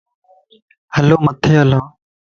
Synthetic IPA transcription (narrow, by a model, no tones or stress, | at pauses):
həloːmət̪ʰeːəlãː